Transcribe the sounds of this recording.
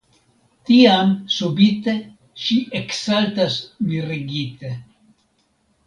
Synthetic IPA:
t̪iamsubit̪e | ʃiʔeksalt̪asmiɾiɡit̪e

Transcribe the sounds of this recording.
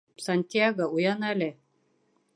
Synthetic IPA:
sanʲt̪ʲiaɡəujɑnælɘ

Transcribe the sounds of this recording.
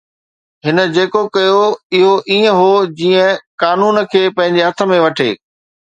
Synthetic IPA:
ɦɪnə̆d͡ʑeːkokɐjoɪɦoʔiːə̃ɦod͡ʑiːə̃kaːnuːn̆kʰeːpɐ̃ɦɪ̃ɲd͡ʑeɦɐt̪ʰə̆mẽʋɐʈʰḛː

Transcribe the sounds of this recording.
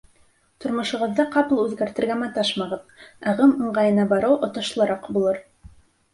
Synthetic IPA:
t̪ŏɾmŏʃŏʁɤ̆ðːɑqɑpɤlˠʉðɡæɾt̪ɘ̆ɾɡæmæt̪ɑʃmɑʁɤðɑʁɤmŏɴʁɑjɤ̆nɑbɑɾɤwʔŏt̪ɤ̆ʃlˠɤ̆ɾɑqbulˠɤɾ

